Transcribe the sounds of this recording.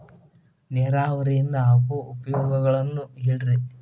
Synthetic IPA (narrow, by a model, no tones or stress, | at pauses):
nɛːɾaːʋɐɾɛjind̪ɐɐkuupɐjɔːɡɐɡɐɭɐnːueːɽiɾi